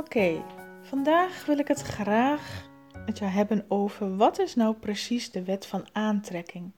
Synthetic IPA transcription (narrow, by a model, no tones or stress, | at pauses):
okejfɑndaːxʋɪlˠɪkɦətχraːχ | ətjəwɦɛbənowvərʋɑtɪsnawprəsisdəʋɛtfɑnaːntrɛkʰɪŋ